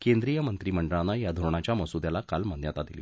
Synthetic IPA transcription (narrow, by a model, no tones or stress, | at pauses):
kend̪ɾijəmənt̪ɾiːməɳɖəɭanːajad̪ʱoɾɳ̃at͡ɕjaməsud̪jalakalmanjat̪ad̪ilḭː